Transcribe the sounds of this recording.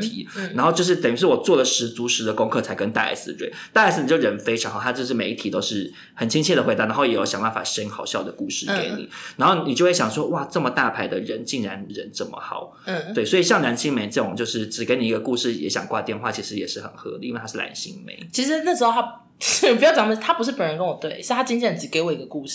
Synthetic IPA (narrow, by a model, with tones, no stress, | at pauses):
t̪ʰi˧˥˦na˧˥nxo˥˧ʊt͡ɕo˥˧ʊʂ̬ɻ̩˥˩t̪ə˨˩i˧˥ʂɻ̩˥˩wɔ˨˩t͡swɔ˥˩lə˩ʂɻ̩˧˥t͡su˧˥ʂɻ̩˧˥d̪ə˨˧ko˥ŋkʰɤ˥˩t͡sʰa˧˥ɪkə˦˥nt̪a̰˥˧a̰˥˩ɪsɨ˨˩t̪we˥˩t̪a˥˧˥ɪs̩˩ni˨˩t͡ɕjo˥˩ɻə˧˥nfe˥ɪʈ͡ʂʰɑ˧˦ŋxt̪ʰa˥t͡ɕjʂ̬̩˥˩me˧˥ɪi˥˩t̪ʰi˨˩t̪o˥ʊʂɻ̩˥˩ | xə˨˩nt͡ɕʰi˥ŋt͡ɕʰiɛ˥˩d̪ə˩we˧˥ɪɑ˧˥˩na˧˦˥ʊjɛ˨˥jo˧˩ʊɕɑ˨ŋba˥˩nfa̰˨˩ʂə˥nxɑ˨˩ʊɕjɑ˥˩ʊd̪ə˩ku˥˧ʂɻ̩˥˩ke˧˦ɪnḭ˨˩na˧nxo˥˩ʊni˨˩t͡ɕo˥ʊwe˥˩ɕjɑ˨˩ŋʂwɔ˥wa˥˩ʈ͡ʂə˥˩mə˨˩t̪a˥˩pʰa˧˥ɪd̪ə˨ɻə˧˦nt͡ɕi˥˩ŋɻa˧˥nɻə˧˥nʈ͡ʂə˥˩mə̰˩xɑ˨˩˦ʊ˥˩t̪we˥˩ɪswɔ˧˥i˨˩ɕjɑ˥˩ŋla˧˥nɕi˥ŋme˧˥ɪʈ͡ʂɤ˥˩ʊ˨˩ŋt͡ɕjo˥˧ʊʂɻ̩˥˩ʈ͡ʂɻ̩˨˩ke˧˥ɪni˨˩i˧ɡə˧ku˥˧ʂɻ̩˥˩jɛ̰˧˥ɕjɑ̰˨˩ŋkwa̰˥˧t̪jɛ˥˧nxwa˥˩t͡ɕʰi˧˥ʂɻ̩˧˦jɛ˨˩ʂɻ̩˥˩xə̰˨˩nxɤ̰˧˥lḭ˨˦i˥we˥˧tʰa˥ɻ̩˥˩a̰˧˥nɕḭ˧˥ŋmḛ˧˦ɪt͡ɕʰi˧˥ʂ̬ɻ̩˧˥na˥˩ʂ̬̩˧˥xo˥˧ʊa˥˩ | ni˨˩pu˧jɑ˥˩ʊt͡ɕɑ˧˥ŋmə˧˩˥t̪ʰa˥pu˧˥ʂ̬ɻ̩˥˩pə˨˦nɻə˧˦nkə˥nwɔ˨˩t̪we˥˩ɪ˥˧t̪ʰa˥t͡ɕi˥nt͡ɕʰjɛ˥˩n˨t͡sɻ̩˨˩ke˧˥ɪwɔ˨˩i˧ɡə˧ku˥˧ʂ